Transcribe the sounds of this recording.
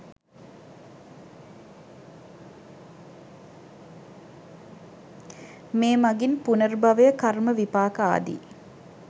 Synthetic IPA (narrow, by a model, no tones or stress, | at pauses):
meːmɐɡinpunərbɐʋejəkarməʋipaːkəa̰ːd̪ḭ